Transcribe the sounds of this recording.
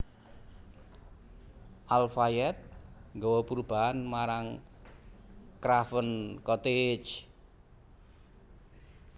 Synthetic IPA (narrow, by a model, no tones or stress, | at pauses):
ʔalfajɛt̪̚ŋɡɔwɔpuɾb̥a̤anmaɾaŋ | kɾafənkɔt̪et͡ʃ